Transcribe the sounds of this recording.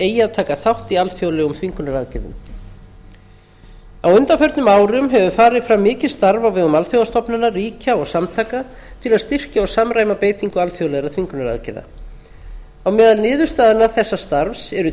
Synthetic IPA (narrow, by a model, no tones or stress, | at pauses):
eːjaðt̪ʰaːkaθawht̪ialθjowlɛumt̪ʰviŋkʏnaɾaðcɪɾðʏ̰m | awʏnt̪afœɾt̪nʏmaːwɾʏmɦɛvʏfaːɾɪðfɾawmːɪːcɪ̥st̪aɾvawvɪðʏmalθjowðast̪ɔpnanariːcaɔɣsamt̪ʰaːka | t̪ʰɪlaðst̪ir̥caɔɣsamɾaːjmapeːjt̪iŋkʏalθjowlɛɣɾat̪ʰviŋkʏnaɾa̰ðcɪɾða̰ | awmɛːðalnɪːðʏɾ̥st̪aːðɪnaθɛsːast̪aɾfsɛɾʏ